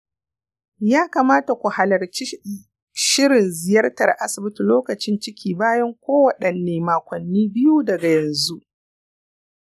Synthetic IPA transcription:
jaː˦kaː˨maː˦ta˨kʷu˨ha˨lɐ˨rt͡ʃ | ʃɪ˦ɾɪ˨nzɪ˨jɐ˦rtɐ˨rʔa˦sɪ˨bɪ˦tu˨loː˦kɐ˨t͡ʃɪ˦nt͡ʃɪ˦kʲʰiː˨baː˦jɐ˦ŋkʷoː˦wɐ˨ɗɐ˨nːeː˨maː˨kʷɐ˨nːiː˦bɪ˦juː˦dɐ˨ɡa˨jɐ˨nzu˦ʔ

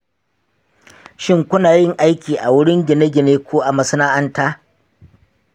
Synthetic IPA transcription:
ʃɪ˦ŋkʷʊ˦naː˨jɪ˦˨ŋʔa˦jkʲiː˨ʔa˨wʊ˦ɽɪ˦ŋɡʲɪ˨ne˦ɡʲɪ˨neː˦kʷʰoː˦ʔa˨mɐ˨sɪ˦naː˦ʔɐ˦ntaː˦

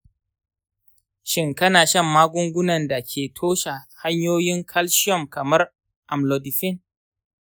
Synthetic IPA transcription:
ʃɪ˦ŋkɐ˦naː˨ʃɐ˦˨mːaː˦ɡʷʊ˦ŋɡʷʊ˦nɐ˨nda˨kʲʰeː˨tʰoː˦ʃa˨ha˦ɲjoː˦jɪ˦ŋkʰɐ˦lʃɪ˦ɔ˨mkɐ˨mɐ˦r | ʔa˨mlo˨dɪ˨ɸɪ˦n

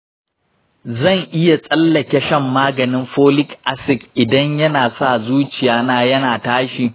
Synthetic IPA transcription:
zɐ˦˨ŋʔɪ˦ja˨sʼɐ˦lːɐ˨kʲe˦ʃɐ˦mːaː˦ɡɐ˨nɪ˦mɸoː˦lɪ˦kʔa˨sɪ˨kʔɪ˨dɐ˦ɲjɐ˦naː˨sa˦˨zuː˦t͡ʃɪ˨jaː˦naː˦jɐ˦naː˨taː˦ʃiː˨

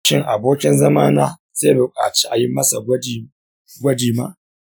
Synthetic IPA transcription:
ʃɪ˦˨ŋʔa˨boː˦kʲɪ˦nzɐ˦maː˦naː˦ | z̥eː˦bʊ˨kʼa̰ː˨t͡ʃi̥˦ʔa˨jɪ˦mːɐ˦sa˨˦˨ | ɡʷɐ˦diː˨ma̰ː˦

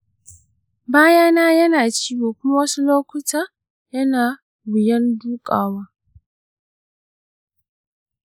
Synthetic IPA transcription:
baː˦ja˦naː˦jɐ˦naː˨t͡ʃiː˦woː˨kʷʊ˦ma˦wɐ˦su˦loː˦kʷʊ˦taː˦ | jɐ˦naː˨ | wɪ˨jɐ˦nduː˦kʼa̰ː˨waː˦

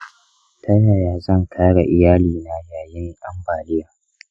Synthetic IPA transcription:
tʰɐ˦na˨jaː˨zɐ˦˨ŋkʰaː˦ɽa˨ʔɪ˨jaː˦liː˨na˦jaː˨jɪ˦ŋʔa˦mbaː˨lɪ˦jaː˨

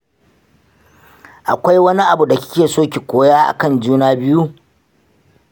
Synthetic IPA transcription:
ʔa˨kʷa˦jwɐ˦ni˦ʔa˨bu˨da˨kʲɪ̥˦kʲeː˨soː˦kʲi˨kʷoː˨jaː˦ʔa̰˨kɐ˦˨nd͡ʒuː˦naː˦bɪ˦ju˦

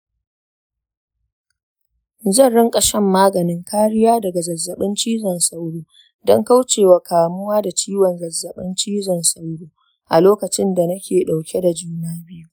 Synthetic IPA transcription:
zɐ˦˨nɽɪ˦ŋkʼɐ˨ʃɛ˦mːaː˦ɡɐ˨nɪ˦ŋkaː˦ɽɪ˦jaː˦dɐ˨ɡa˨zɐ˨zːɐ˨ɓɪ˦nt͡ʃiː˦zɐ˨nsa˦wɽuː˦ | dɔ˦ŋka˦wt͡ʃeː˨wa˨kaː˨mʊ˦waː˦da˨t͡ʃiː˦wɐ˨nzɐ˨zːɐ˨ɓɪ˦nt͡ʃiː˦zɐ˨nsa˦wɽuː˦ | ʔa˨loː˦kɐ˨t͡ʃɪ˦nda˨nɐ˦kʲeː˨ɗa˨wkʲe˦da˨d͡ʒuː˦naː˦bɪ˦ju˦

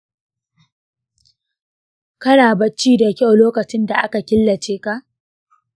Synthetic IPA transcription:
kɐ˦naː˨bɐ˦t͡ʃːiː˦da˨kʲa˦˨wloː˦kɐ˨t͡ʃɪ˦nda˨ʔa˦ka˨kʲɪ˦lːɐ˨t͡ʃeː˦ka˦˨ʔ

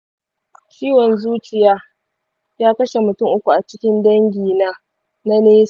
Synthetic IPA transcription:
t͡ʃʲiː˦wɔ˨nzuː˦t͡ʃɪ˨jaː˦ | jaː˦kɐ˦ʃe˨mʊ˨tʊ˦˨ŋʔʊ˦kʷu˨ʔa˨t͡ʃɪ˦kʲɪ˦ndɐ˦ŋɡʲiː˨naː˦ | na˦neː˦˨

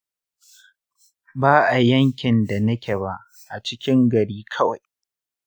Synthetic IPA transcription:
baː˦ʔa˨jɐ˦ŋkʲɪ˨nda˨nɐ˦kʲe˨ba˦ʔ | ʔa˨t͡ʃɪ˦kʲɪ˦ŋɡɐ˨ɽiː˦kʰɐ˦wa˨j

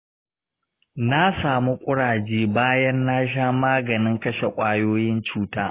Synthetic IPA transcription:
na˦saː˨mu˦kʷʼʊ˦ɽaː˨d͡ʒeː˦baː˦jɐ˦nːa˦ʃ̬aː˦maː˦ɡɐ˨nɪ˦ŋkɐ˦ʃe˨kʷʼaː˦joː˦jɪ˦nt͡ʃuː˦taː˦

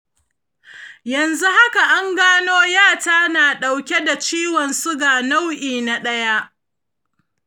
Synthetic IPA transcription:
jɐ˨nzu˦ha˦ka˨ʔa˦ŋɡaː˦noː˦jaː˦˨taː˦naː˨ɗa˨wkʲe˦da˨t͡ʃiː˦wɔ˨nsʊ˦ɡaː˨na˦wʔiː˨na˨ɗɐ˦ja˦ʔ

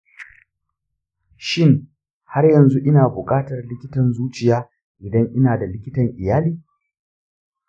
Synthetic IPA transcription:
ʃɪ˦˨ŋ | ha˦rjɐ˨nzu˦ʔɪ˦naː˨bʊ˨kʼaː˦tɐ˨rlɪ˦kʲɪ˦tɐ˨nzuː˦t͡ʃɪ˨jaː˦ | ʔɪ˨dɐ˦ŋʔɪ˦naː˨da˨lɪ˦kʲɪ˦tɐ˨ŋʔɪ˨jaː˦liː˦

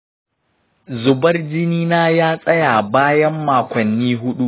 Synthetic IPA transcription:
zʊ˨bɐ˦rd͡ʒɪ˦niː˦naː˦jaː˦sʼɐ˦jaː˨baː˦jɐ˦mːaː˨kʷɐ˨nːiː˦ɦʊ˦ɗu˦ʔ

